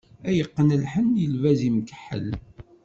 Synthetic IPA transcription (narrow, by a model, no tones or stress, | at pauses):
æjəqːənəlħənjəlvæzimkə̥ħːə̰l